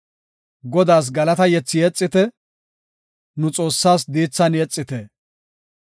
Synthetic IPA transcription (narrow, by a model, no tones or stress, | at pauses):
ɡɔd̪aːs̬ɡɐlɐt̪ɐjɛt͡sːɪjɛt͡sʼːɪt̪ɛ | nʊt͡sʼo̞ːsːaːs̬d̪iːt͡sːɐnjɛt͡sʼːɪt̪ɛ